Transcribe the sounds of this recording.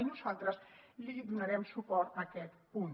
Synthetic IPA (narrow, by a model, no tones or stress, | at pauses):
nusalˠt̪ɾəsliudunaɾɛmsupɔɾt̪akɛt̪pun